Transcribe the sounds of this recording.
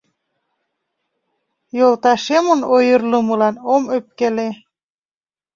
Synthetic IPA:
jolˠt̪ɑʃemonojɤrlɤmɤ̆lɑnomøp̚kele

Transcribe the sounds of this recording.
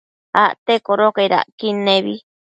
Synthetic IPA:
aʔt̪ekoɾokaiɾa̰ʔkinẽβi

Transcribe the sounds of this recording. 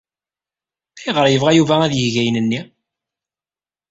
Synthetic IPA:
æjʁəɾjəvʁæjuvææðjəhʝæjnənːi

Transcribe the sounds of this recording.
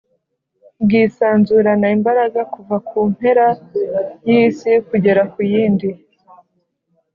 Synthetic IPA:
bɡiːsaːnzuɾanaimbaɾaɡakuvakuːn̥he̞ɾa | jisikuɟe̞ɾakujiːndi

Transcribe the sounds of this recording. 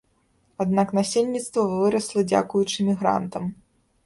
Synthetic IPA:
ad̪naknasʲelʲnʲit̪st̪vɐvɨɾɐslˠɐd͡zʲa̰kujut͡ʂɨmʲiɣɾa̰nt̪ɐm

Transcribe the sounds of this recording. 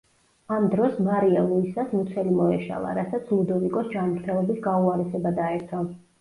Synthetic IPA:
amd̪ɾɔsmaɾialˠuisasmut̪sʰɛlimɔɛʃa̰lˠa̰ɾasat̪sʰlˠud̪ɔvikʼɔsd͡ʒamɾt̪ʰɛlˠɔbisɡauaɾɛsɛbad̪aɛɾt̪ʰɔ

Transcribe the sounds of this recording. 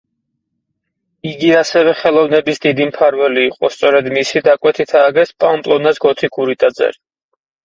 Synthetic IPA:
iɡiasɛvɛχɛlˠɔvnɛbisd̪id̪impʰaɾvɛliːqʼɔst̪sʼɔɾɛd̪misid̪akʼwɛt̪ʰit̪ʰaːɡɛspʼampʼlˠɔnasɡɔt̪ʰikʰuɾit̪ʼad̪zɛ̰ɾi

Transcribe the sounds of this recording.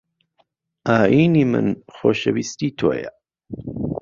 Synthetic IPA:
ʔaːʔiːniːmɨ̰nxoːʃɐwist̪iːt̪ʰoːjɐ

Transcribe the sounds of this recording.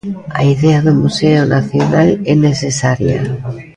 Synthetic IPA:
aiðeaðomuseonaθjonalenesesaɾja̰

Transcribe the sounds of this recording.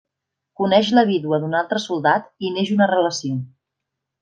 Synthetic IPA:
kunɛʃləβiðuəðunalˠt̪ɾəsulˠd̪at̪ineʒunərələsio

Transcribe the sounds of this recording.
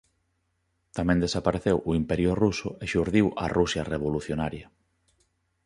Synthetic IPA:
t̪amɛ̃nd̪esapaɾeθewʔʊimpɛɾjʊrusʊeʃuɾðiwʔɐ̰rʔusjareβoluθjonaɾjɐ

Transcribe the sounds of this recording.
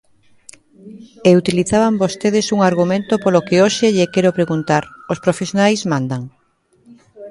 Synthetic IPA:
eut̪iliθaβambost̪eðɪsuŋaɾɣumẽnt̪opolokeoʃeʎekɛɾopɾeɣunt̪aɾospɾofesjonajzmãnd̪aŋ

